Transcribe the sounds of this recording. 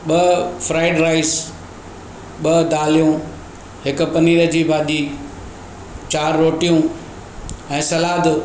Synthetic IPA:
ɓɐfɾaːɪɖɾaːɪz | ɓɐd̪aːlijũ | ɦɪkʊ̆pɐniːɾəd͡ʑiːbaːd̪iː | t͡ɕaːɾːoːʈijũ | ɛ̃ːsɐlaːd̪

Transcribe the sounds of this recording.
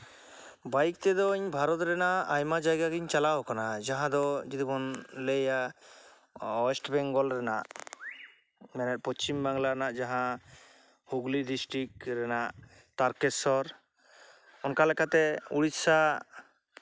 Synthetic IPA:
bajk̚t̪ɛd̪ɔiɲbʱaɾɔt̪ɾɛnaʔajmad͡ʒajɡaɡiɲt͡ʃalaɦɔkanad͡ʒaɦãd̪ɔd͡ʒid̪ibɔnleja | ɔsʈbɛŋɡɔlɾɛnaʔ | mɛnɛt̪̚pɔt͡ʃimbaŋlaɾɛnaʔd͡ʒaɦã | huɡlidisʈɾik̚ɾɛnaʔ | t̪aɾkɛsɔɾ | ɔnkalɛkat̪ɛuɽit̪sa

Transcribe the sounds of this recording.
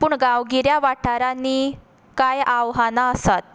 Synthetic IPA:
puːɳɡaʋɡiɾjaʋaʈʰaɾanːiː | kajaʋɦanaəsat̪̚

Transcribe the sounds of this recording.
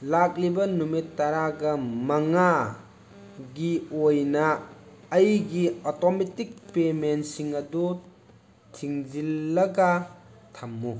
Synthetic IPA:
lak̚libɐnumitːɐɾaɡɐmɐŋa | ɡiojnɐː | jɡiɔtɔmetik̚pementsiŋɐdu | tʰiŋd͡ʒilːɐɡatʰamːu

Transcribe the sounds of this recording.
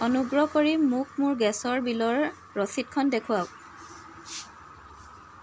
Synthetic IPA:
ɔnuɡɹɔkɔɹimʊk̚mʊɹɡɛsɔɹbilɔɹ | ɹɔsit̚kʰɔndekʰʊwaʊ

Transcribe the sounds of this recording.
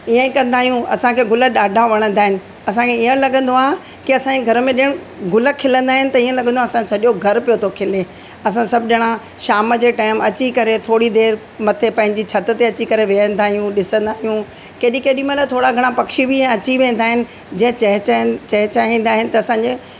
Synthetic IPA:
iə̃kɐ̃nd̪aːɦijũɐ̰sãkʰeːɡʱʊləɗaːɖʱaʋɐɽ̃ə̃nd̪aːɦɪnɪ̆ | ɐsãkʰeiːə̃ɽlɐɠə̃nd̪oaː | kiɐsãɲd͡ʑeɡʱɐɾəmẽɗɪəɽ̃ | ɡʱʊlə̆kʰɪlə̃nd̪aːɦɪnɪ̆t̪ɐiə̃lɐɡə̃nd̪oaːsãsɐɗoɡʱɐɾpijot̪ʰokʰɪle | ɐs̬ãsɐbʱɪɗɪɽ̃ã | ʃaːməd͡ʑeːʈaːɪmɐt͡ɕikɐɾet̪ʰoːɽid̪eːɾ | mɐt̪ʰepɐ̃ɦɪ̃ɲd͡ʑit͡ɕʰɐt̪ə̆t̪eɐt͡ɕikɐɾeʋeə̃nd̪aːɦijũɗɪsə̃nd̪aːɦijũ | keːɗĩkeːɗĩmẽlat̪ʰoːɽaɡʱɐɽ̃apɐkʃibɪẽɐt͡ɕiʋẽːn̆d̪aːɦɪnɪ̆ | d͡ʑɛ̃ə̃ɐɦt͡ɕɐɦɪt͡ɕaĩːn̆d̪aːɦɪnɪ̆t̪ɐːsãɲd͡ʑe

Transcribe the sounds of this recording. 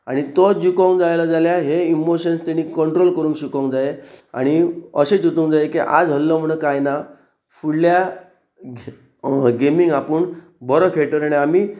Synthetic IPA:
aɽ̃it̪ɔd͡ʑukɔ̃ŋkd͡zajlad͡zaljaɦeimoɕənst̪eɽ̃iːkəɳʈɾolkəɾũːŋkɕukõŋkd͡zaea̰ɽ̃iəɕet͡sut̪uŋkd͡zajekiʔa̰d͡zɦəlːɔm̤əɽ̃ekajna | fuɽlja | ɡemiŋɡapəɳ | bɔɾɔkʰeʈəɾaɽ̃iamiː

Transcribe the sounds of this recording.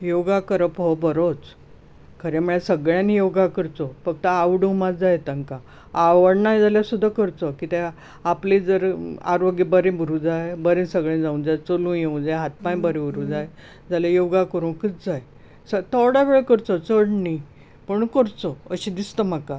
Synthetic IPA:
joɡakəɾəpɦɔbəɾot͡s | kʰəɾjamuɭesəɡɭjãnijoɡakəɾt͡sɔfəɡ̚t̪əaʋɽəmat͡sd͡zajet̪ãŋka | aʋəɽnajd͡zaljasud̪ʱːakəɾt͡sɔkit̪e | apled͡zəɾa̰ɾoɡibəɾẽbʱuɾũd͡zajbəɾẽnsəɡɭẽd͡zaũnd͡zajt͡solũːjeũd͡zajɦat̪̚pãj̃bəɾẽbʱuɾũd͡zaj | d͡zaljajoɡakəɾuːnkit͡sd͡zaj | sət̪ɔɽaʋeɭekəɾt͡sɔt͡səɽɳi | pəɳkəɾt͡sɔəɕĩd̪ist̪əm̤aka

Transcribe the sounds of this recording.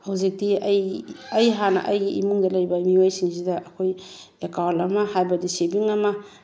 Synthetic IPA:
hawzik̚diɐjɐjɦanɐ̰ʔɐjɡiḭmuŋdɐlɐjbɐmiwajsiŋsidɐʔɐkʰoj | ekawlɐmɐhajbɐdisebiŋɐmɐ

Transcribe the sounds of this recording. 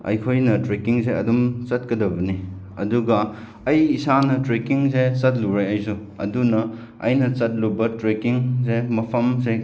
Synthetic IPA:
ɐ̰jkʰojnɐtɾekiŋseɐdumt͡ʃɐt̚kɐdɐbɐni | ɐ̰duɡɐ | ɐjisanɐtɾekiŋset͡ʃɐt̚luɾajɐjsu | ɐ̰dunɐ | ɐ̰jnɐt͡ʃɐt̚lubɐtɾekiŋs̬emɐpʰɐmse

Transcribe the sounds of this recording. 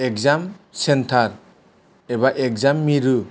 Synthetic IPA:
ekzamsentʰaɾ | ɛbaʔekzamːiɾu

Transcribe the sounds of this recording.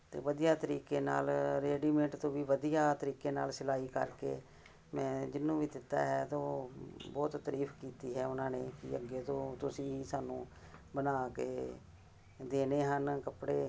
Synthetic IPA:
t̪ḛːʋəd̪ijaːt̪əɾiːkeːna̰ːlɾeːɖiːmɛ̃ɳʈt̪õːʋiːʋəd̪ijaːt̪əɾiːkeːna̰ːlsɪlaːiːkə̰ɾkḛː | mɛ̃ːd͡ʒɪnːũːʋiːd̪ɪt̪ːa̰ːɦɛːt̪oːbɔːt̪ːəɾiːpʰkiːt̪iːɦɛːʊnãːneːkɪəɡːeːt̪õːt̪ʊsĩːiːsaːnũː | bənaːkeː | d̪eːneːɦənkəpɽeː

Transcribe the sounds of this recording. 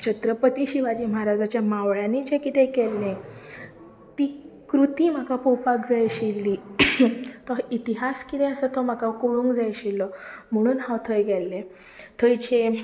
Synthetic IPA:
t͡ɕət̪ɾəpət̪iɕiʋad͡ʑiːmaɦaɾad͡zat͡ɕjamaʋɭjanid͡ʑekit̪ekelne | t̪iːkɾut̪iːm̤akapowpakd͡zajɕilːi | t̪ɔit̪iɦaskit̪eəsət̪ɔm̤akakoɭũŋkd͡zajɕilːɔm̤əɽ̃uːnɦãwt̪ʰəjɡɛelːe | t̪ʰəjt͡ɕe

